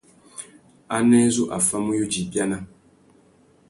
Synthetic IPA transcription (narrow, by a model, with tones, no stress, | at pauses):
a˦nɛ˦zo˦ʔa˨fa˦mu˦jo˦d͡ʒi˨bja˦na˦